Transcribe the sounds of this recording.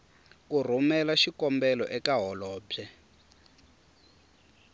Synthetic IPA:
kur̤umɛlaʃikɔmbɛlɔʔɛkaɦɔlɔːb͡ʐɛ

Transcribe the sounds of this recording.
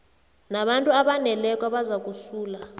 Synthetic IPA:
naɓantʼuaɓanɛlɛkʼwaɓazak̬ʼusuːla

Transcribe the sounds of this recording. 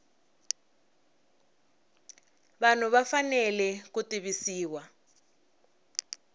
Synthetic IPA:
βan̤uβafanɛlɛkutiβisiːwa

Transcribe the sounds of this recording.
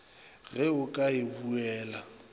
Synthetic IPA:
ɣɛʊkʼaɪbuɛːla

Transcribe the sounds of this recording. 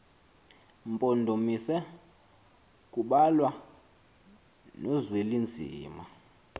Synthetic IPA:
mpʼɔndʱomisɛ | kʼuɓalwa | nɔzwelind͡zʱḭːma

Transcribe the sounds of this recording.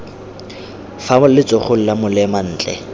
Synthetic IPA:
famʊllɪt͡sʼoχʊl̩lamʊlɛman̩ːt͡ɬʼɛ̰

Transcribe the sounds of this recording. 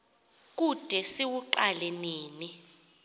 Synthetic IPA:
k̬ʼud̥ʱɛsiwuǃalɛniːni

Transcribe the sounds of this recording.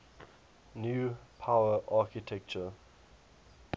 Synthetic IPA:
njuːpʰaʊəʔaːˑkitʰɛk̚t͡ʃə

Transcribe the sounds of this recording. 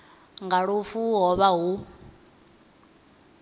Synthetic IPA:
ŋɡaɺufuɦɔβaɦu

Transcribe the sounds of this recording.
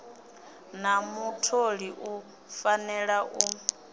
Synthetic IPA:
namutʰoɺiʔu | fanɛɺaʔu

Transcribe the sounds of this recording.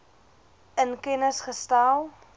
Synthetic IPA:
ənkɛnəsχəstaːlˠ

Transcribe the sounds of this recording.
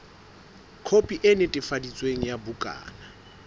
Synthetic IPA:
kʰopʼiʔɪnɪtʼɪfadit͡sʼweŋ̩jabukʼa̰ːna

